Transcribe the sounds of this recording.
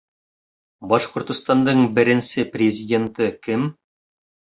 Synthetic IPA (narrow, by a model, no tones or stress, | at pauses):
bɑʃqŏɾt̪ŏst̪ɑnd̪ɤɴbɘ̆ɾɘ̆nsɘprʲɪzʲɪdʲe̞nt̪ɤkɘm